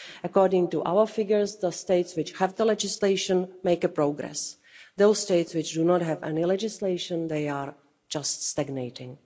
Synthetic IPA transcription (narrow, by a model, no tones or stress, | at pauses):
ʔəkɔːɹdɪ̃ŋtuʔa̰wəfɪɡjəɹsðəsteɪtswɪt͡ʃhɛvd̪əlɛd͡ʒɪsleɪʃə̃nmejkəpɾoʊɡɾɛ̰s | ðoʊssteɪtswɪt͡ʃdunɔtɦɛvɛ̰nɪlɛd͡ʒɪsleɪʃə̃nðejaːɹ | d͡ʒaststaɡnejtɪ̃ŋ